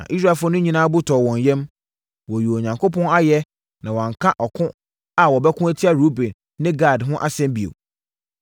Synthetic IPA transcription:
nã̰˨ʔi˦s̬ɾa˨fnʊ̃˦ɲĩ˦nãː˦bʊ˦tʰɔː˨wɔ̃˨ɲ˨jɛ̃˦m | wɔ˨ju˨o˨ɲã˨ŋko˦pʰɔ̃˦na˦jɛ˦ | nã˨wɔ̃˨ŋ̩˨kʰã˦ʔɔ˨kʰʊ̃˦ | a˨wɔ˨bɛ˦kʰʊ̃˦æ˦tʰi˦a˦ɾu˦bẽ˨nːɪ̃˦ɡa˦˨dɦʊ̃˦ʔa˨sɛ̃˦mbi˨o̰˨

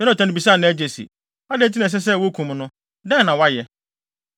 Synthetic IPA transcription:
ɛ˦ʊ̃˦˨tʰã˦nɪ̃˨bi˨s̬aː˦˨nã˦æ˦d͡ʑe˨sḭ˨ | a˦dɛ˦t̬ʰi˦nã˨s̬ɛ˦s̬ɛ˦˨wo˦kʰũ˨mnʊ̃˦ | dɛ̃˦˨nːã˨wa˦jɛ˦

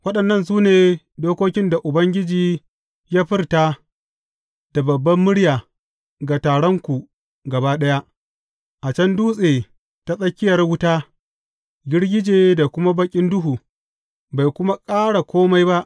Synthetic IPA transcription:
wɐ˦ɗɐ˨nːɐ˦ns̬uː˦neː˨ | doː˦koː˦kʲɪ˦nda˨ʔʊ˨bɐ˦ŋɡʲɪ˦d͡ʒiː˨ | ja˦ɸɪ˦rta˦ | d̥a˨bɐ˨bːɐ˦mːʊ˦ɽjaː˨ | ɡa˨taː˨ɽɔ˦ŋkʷu˨ | ɡɐ˨ba˦ɗɐ˦ja˦ʔ | ʔa˨t͡ʃɐ˦nduː˦sʼeː˨ | ta˦sʼɐ˦kʲːɪ˦jɐ˨rwʊ˦ta˦ | ɡʲɪ˦ɽɡʲɪ˦d͡ʒeː˨da˨kʷʊ˦ma˦bɐ˦kʲʼɪ˦ndʊ˦ɦuː˨ | ba˨jkʷʊ˦ma˦kʼaː˦ɽa˨kʷoː˦ma˦jba˦ʔ

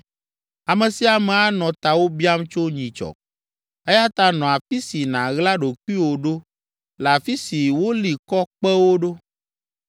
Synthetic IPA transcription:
a˨mɛ̃˨si˦a˨mɛ˨a˦nɔ̃˨t̪a˨wo˦bi˦a˦mt͡ʃo˦ɲĩ˨t͡ʃɔ̰˨ | e˦ja˦t̪a˦nɔ̃˨a˨fi˦si˨nã˨ɣla˦ɖo˨ku˦i˦wo˨ɖo˦ | la˨fi˦si˨wo˦li˨kɔ˦k͡pɛ˦wo˦ɖo˦

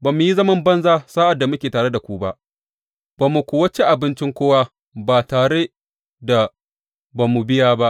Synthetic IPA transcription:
baː˨mːu˨ji˦zɐ˦mɐ˦mbɐ˦nzaː˦saː˦ʔa˨dːa˨mʊ˦kʲeː˨taː˨ɽe˦da˨kʷuː˦ba˦ʔ | b̥a˨mːu˨kʷʊ˨wɐ˦t͡ʃe˦ʔa˨bɪ˦nt͡ʃɪ˦ŋkʷoː˦wa˦ | baː˨taː˨ɽe˦ | da˨ | ba˨mːu˨bɪ˦jaː˦ba˦ʔ

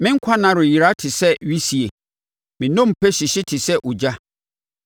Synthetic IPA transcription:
mɪ̃˦ŋ˦kʷʰa˦nã˨ɾʊ˨ji˨ɾa˦tʰɪ˨sɛ˦ɥi˦si˨e˨ | mɪ̃˨nɔ̃˦m̩˨pʰɛ˦ɕi˨ɕɪ˦tʰɪ˨sɛ˦ʔʊ˨d͡ʑa˦

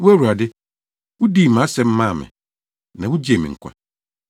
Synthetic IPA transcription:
wu˦æ˦wu˨a˨dɪ˦ | wʊ˦diː˦˨mã˨˦sɛ˨m̩˦mã˦˨mɪ̰̃˨ | nã˨wu˦d͡ʑi˦e˨mḭ̃˨ŋ̩˨kʷʰa̰˨

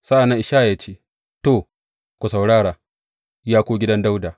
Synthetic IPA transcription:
sa˦ʔa˨nːa˦ŋʔɪ˨ʃaː˦˨jaː˦t͡ʃeː˦ | to˦˨ | kʷu˨sa˨wɽaː˦ɽaː˨ | jaː˦kʷoː˦ɡʲɪ˦dɐ˦nda˦wdaː˨

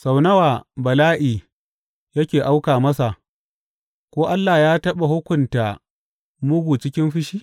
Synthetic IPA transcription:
sa˨wnɐ˦waː˨bɐ˨laː˦ʔiː˨ | jɐ˦kʲeː˨ʔa˦wkaː˨mɐ˦sa˨ | kʷoː˦ʔa˦lːaː˨jaː˦tɐ˦ɓa˨hʊ˦kʷʊ˨nta˨ | mʊ˦ɡʷuː˨t͡ʃɪ˦kʲɪ˦nɸɪ˦ʃiː˦

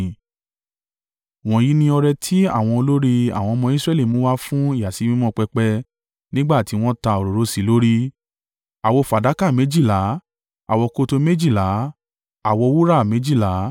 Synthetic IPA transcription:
w̃ɔ̃˨ji˨˦nĩ˧ɔ˧ɾɛ˧tʰi˦a˦˨w̃ɔ̃˧o˧lo˦ɾi˦a̰˨w̃ɔ̃˧mɔ̃˧i˦sɾɛ˦li˦˨mɔ̃˨˦wa˦fũ˦i˦˨ja˨si˨˧˦mĩ˦mɔ̃˦˨k͡pɛ˧k͡pɛ˧ | nĩ˦ɡ͡ba˦˨ti˨˦w̃ɔ̃˦ta˧o˨ɾo˨ɾo˨˦si˨lo˦ɾi˦ | a˨wɔ˧fa˨da˨˦ka˦˨mẽ˨˦d͡ʒi˦˨la˨˦ | a˨wɔ˧ko˧to˧me˦d͡ʒi˦˨la˨˦ | a˨wɔ˧wu˦ɾa˦˨mẽ˨˦d͡ʒi˦˨la˨˦

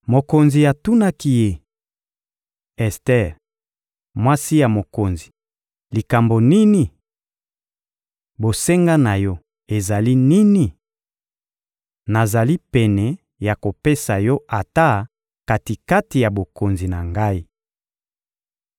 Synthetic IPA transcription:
mo˨ko˨nzi˨ja˨tu˦na˦ki˦je˦ | ɛ˨stɛ˦ʁ | mwa˦si˦ja˨mo˨ko˨nzi˨ | li˨ka˨mbo˨ni˦ni˨ | bo˨se˦ŋɡa˦na˨jɔ˦ | e˨za˨li˦ni˦ni˨ | na˨za˨li˦pɛ˨nɛ˨ | ja˨ko˨pe˦sa˨jɔ˦ʔa˨ta˦ | ka˨ti˨ka˦ti˨ja˨bo˨ko˨nzi˨na˨ŋɡa˦i˦

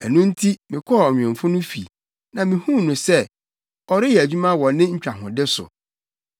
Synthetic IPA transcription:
ɛ˨nũ˦n̩˦tʰi˦mɪ̃˨kʰɔ˦˨ɔ˨ɲᶣ˨ɛ̃˨ɱ˨fʊ˦nʊ̃˦fi˨ | nã˨mɪ̃˨hũ˦nʊ̃˨sɛ˦ | ɔ˨ɾɪ˦jɛ˨æ˨d͡ʑᶣu˦mã˦wɔ̃˨nːɪ̃˦ɲ̩˦t͡ɕᶣa˨ɦʊ̰̃˨dɪ˦sʊ̰˨

